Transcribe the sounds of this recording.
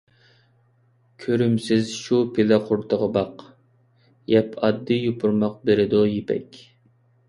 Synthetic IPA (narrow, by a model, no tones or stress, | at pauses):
kʲʰøɾymsɪzʃupʰelɛqʰʊɾt̪ʰəʁəbɑq | jɛpʰɑd̪ːɨjupʰʊɾmɑq̚beɾɪd̪ujepʰɛ̰kʲ